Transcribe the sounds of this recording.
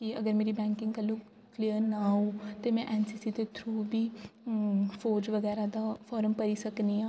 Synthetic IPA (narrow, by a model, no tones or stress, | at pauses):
kiəɡəɾmeːɾiːbɛ̃ːŋkɪ̃ŋɡkəlːũː | kliːəɾnaːɦoːt̪eːmɛ̃ːʔɛːnsiːsit̪et̪ʰɾuːbʱiː | foːd͡ʒʋəɡɛːɾaːd̪aːfʰɔːɾəmpəɾiːsəkniːãː